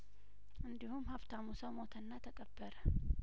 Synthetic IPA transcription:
ʔɨnd̪ihumhabt̪ʰamusəwmot̪ʰənːat̪ʰəkʼəbːəɾə

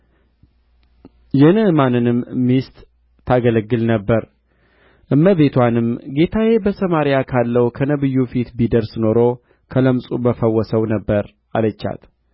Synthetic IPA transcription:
jɛnɨɨmanɨnɨmːist̪ʼːʰ | aɡələɡːɨlnəbːəɾ | ʔɨmːəβe̞t̪ʰwanɨmɡe̞t̪ʰajebəsəmaɾjakʰalːəwkʰənəβɨjːufit̪bid̪əɾsno̞ɾo̞ | kʰələmsʼubəfəwːɔsəwnəbːəɾ | alət͡ʃːa̰t̪

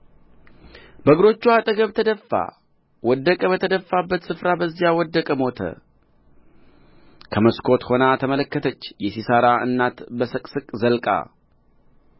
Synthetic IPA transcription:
bəɡɾo̞t͡ʃːuat̪ʼəɡəβt̪ʰəd̪əfːa̰ | wɔd̪ːəkʼəbət̪ʰəd̪əfːabːət̪sɨfɾabəzːijawɔd̪ːəkʼəmo̞t̪ʰə̰ | kʰəməskʰo̞t̪ho̞nat̪ʰəmələkːət̪ʰət͡ʃːjɛsisaɾaɨ̰nːat̪bəsɨkʼsɨkʼzəlkʼa̰

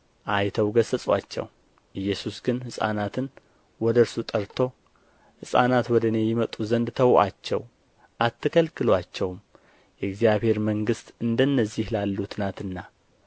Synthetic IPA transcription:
ʔajt̪ʰəwɡəsət͡sʼwa̰t͡ʃːɛ̰w | ʔɨjːɛsusɡɨnhɨsʼa̰nat̪ʰɨn | wɔd̪əɾsut̪ʼəɾt̪ʰo̞ | hɨsʼa̰nat̪wɔd̪əne̞jɪmət̪ʼuzənd̪t̪ʰəwʔa̰t͡ʃːɛ̰w | ʔat̪ʰːɨkʰəlkʰɨlwat͡ʃːɛwm | jɛɡzijaβhe̞ɾməŋɡɨst̪ɨnd̪ənːəzːihlalːut̪nat̪ɨnːa

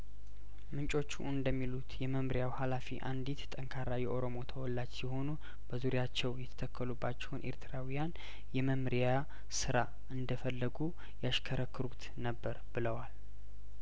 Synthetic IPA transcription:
mɨnt͡ʃʼo̞t͡ʃːuɨnd̪əmːilut̪jɛməmɾijawhalafiʔand̪it̪t̪ʼəŋkʰaɾajɛʔo̞ɾomo̞t̪ʰəwɔlːat͡ʃsiho̞nu | bəzuɾjat͡ʃːɛwjɛt̪ʰə̥t̪ʰəkʰːəlubːat͡ʃːɛwunʔe̞̰ɾt̪ʰɨɾawijan | jɛməmɾija | sɨɾa | ʔɨnd̪əfəlːəɡu | jaʃkʰəɾəkːɨɾut̪nəbːəɾbɨləwal

